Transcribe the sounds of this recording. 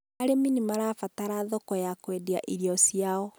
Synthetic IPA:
aɾeminimaɾafataɾaðokɔjakwedia̰ʔiɾjɔsiaɔ

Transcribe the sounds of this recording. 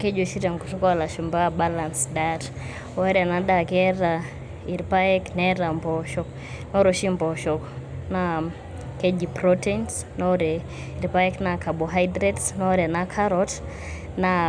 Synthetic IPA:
kɛd͡ʒɔʃiɾaŋɡutɔkɔalaʃumbabalansdaɾ | waɾɛanaɗakɛɾa | iɾpaɛknɛɾambɔʃɔk | nɔɾɔʃimbɔʃɔkna | kɛd͡ʒipɾɔtɛns | nɔɾɛ | iɾpaɛknakabɔɦajdɾɛtsnɔɾɛanakʰaɾɔt | na

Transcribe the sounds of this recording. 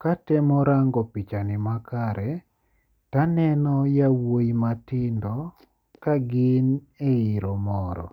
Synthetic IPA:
katɛmɔɾaŋɡɔpit͡ʃanɪmakaɾɛ | tanɛnɔjawojimatɪndɔ | kaɡɪneiɾɔmɔɾɔ̰

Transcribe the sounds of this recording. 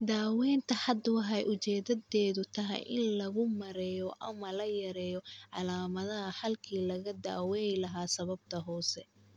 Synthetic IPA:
d̪aːwɛːnt̪ʰɐħɑd̪wħɛjʔʊt͡ʃɛːðɐdɛːðʊt̪ʰɐɦɛ̰jʔɪ̰nlɐɣʊmɐɾɛːjɔʔɐmɐlɐjɐɾɛːjɔʕɑlaːmɐðɐɦɐħɐlkʰiːlɐɣɐd̪a̰ːwɛjlɐɦaːsɐβɐb̚t̪ʰɐɦɔːsɛ

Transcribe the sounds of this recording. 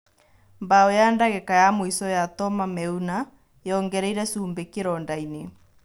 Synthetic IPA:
mbaojaːndaɣɛkajamoisɔjatɔmamɛuna | jɔŋɡɛɾɛiɾɛsuːmbekeɾɔːndaine

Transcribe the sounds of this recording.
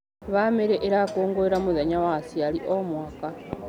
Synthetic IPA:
βameɾeʔeɾakoːŋɡoeɾamuðaɲawasialiʔomwaka

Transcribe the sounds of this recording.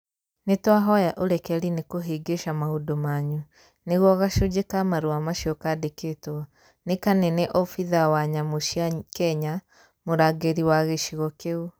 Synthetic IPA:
netwaɦɔjaʔoɾɛkɛɾinekoɦeːɡeʃamaodomaːɲu | neɣwɔɣaʃoɟekamaɾuamaʃiɔkadeketw | nekanɛnɛʔɔfiðawaɲamoʃiakɛɲa | moɾaɡeɾiwaɣeʃiɣɔkeu

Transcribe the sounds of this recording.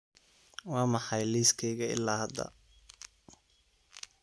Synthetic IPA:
wɑːmɑħɑjliːskʰɛjɣɐɪ̰lːaːhɐd̪ɐ̰

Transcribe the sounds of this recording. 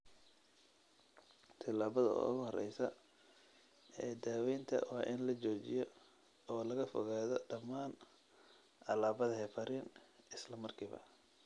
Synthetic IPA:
t̪ʰɐlaːβɐðɐ̰ːʊ̰ɣʊhɔrɛ̰jsɐ | ɛːd̪aːwɛjnt̪ʰɐ̰wɑːʔɪnlɐt͡ʃɔːt͡ʃɪjɔ | ɔːlɐɣɐfɔ̰ɣaːðɔɖɐmaːn | ʔɐlaːβɐðɐɦɛfɐɾiːnɪslɐmɐrkʰiːβɐ̰

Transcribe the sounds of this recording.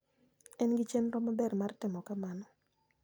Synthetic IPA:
ɛnɡɪt͡ʃenɾɔmabɛrmartɪmɔkamanɔ

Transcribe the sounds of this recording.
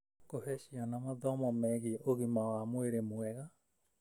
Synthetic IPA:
kohɛɕiɔnamaðɔmɔmɛɣiɛʔoɣimawamoeɾemoɛɣa

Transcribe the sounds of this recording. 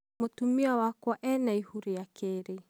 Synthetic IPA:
motumiawakwɔʔɛnaihuɾijakeɾe

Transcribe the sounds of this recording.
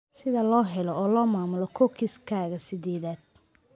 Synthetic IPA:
sɪðɐlɔːɦɛlɔɔːlɔːmaːmʊlɔkʰɔkʰɪskʰaːɣɐsɪd̪ɛːðaːd̪̚

